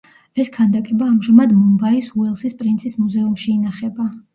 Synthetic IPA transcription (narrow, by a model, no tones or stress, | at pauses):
ɛskʰand̪akʼɛbaːmʒamad̪mɔmbaisuɛlˠsispʼɾint̪sʰismuzɛumʃiːnaχɛba